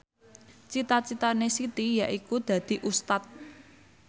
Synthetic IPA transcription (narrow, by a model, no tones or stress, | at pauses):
t͡ʃit̪at͡ʃit̪anesit̪ijaʔikud̪̥ä̤d̪̥i̤ʔust̪at̪̚